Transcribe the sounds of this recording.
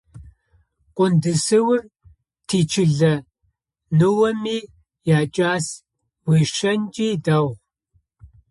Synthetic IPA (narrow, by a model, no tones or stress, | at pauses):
qʷʼʊndɨsɨwʊr | tʰiːt͡ʃʰɪɮɐ | nɨwɐmiː | jaːt͡ʃʼaːs | bʷeʂɐnt͡ʃʼiːdaw